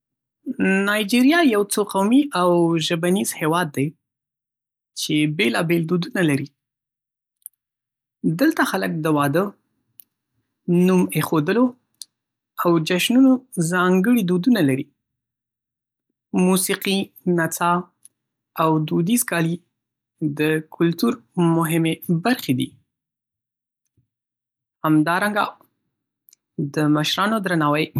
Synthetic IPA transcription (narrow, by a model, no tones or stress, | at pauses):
nɑjd͡ʒiɾjɑjawt͡soqawmiʔawʒəbaniz̥hewɑd̪ːaj | t͡ʃebelɑbeld̪od̪unalaɾi | d̪əlt̪axalək̚d̪əwɑd̪ə | numexod̪əlo | awd͡ʒaʃnunozɑŋɡəɽid̪od̪unalaɾi | musiqi | nat͡sɑ | awd̪ud̪izkɑli | d̪əkʰʊlt̪uɾmʊɦɪmebaɾxed̪ḭ | hamd̪ɑɾaŋɡa̰ | d̪əməʃɾɑnod̪ɾanɑwəj